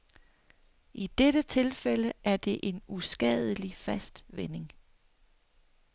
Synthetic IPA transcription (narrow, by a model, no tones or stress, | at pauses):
ʔid̥eɾ̥ət͡sʰe̝lfeləæɐd̥e̝ʔe̝nusɡ̥ɛ̰ð̞ˠəlifæsd̥ʋene̝ŋ